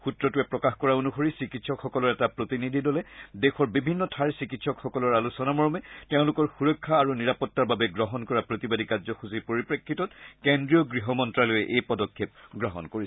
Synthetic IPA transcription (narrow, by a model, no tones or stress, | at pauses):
xutɹɔtuɛpɹɔkaxkɔɹaonuxoɹisikitsɔkxɔkɔlɔɹɛtapɹotinidʱidɔlɛdexɔɹbibʱinːɔtʰaɹsikitsɔkxɔkɔlɔɹalusɔnamɔɹɔmɛteʊ̃lʊkɔɹxuɹɔkʰːaːɹuniɹapɔtːaɹbabɛɡɹɔɦɔnkɔɹapɹotibadikazɔxuzipoɹipɹekʰːitɔtkendɹiɔɡɹiɦɔmɔntɹalojɛʔejpɔdɔkʰːep̚ɡɹɔɦɔ̰nkoɹisɛ